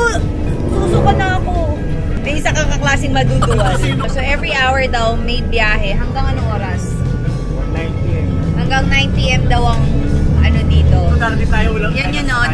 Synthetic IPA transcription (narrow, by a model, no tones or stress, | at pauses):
t̪uːlʊkonɐɐko | mɛjɪsɐŋkɐkɐklaːsɪŋmɐd̪uːd̪ʊʔɐssoʔɛvɹiʔawɛɹd̪ɐwmɛjbjaːɦɛɦɐŋɡaŋɐnoŋʔoːɾɐs | najntiɛm | hɐŋɡɐŋnajnp̪iʔɛmd̪ɐwɐŋʔɐno̞d̪iːt̪o̞ak̪ɪt̪ajolɐjɐnjɐno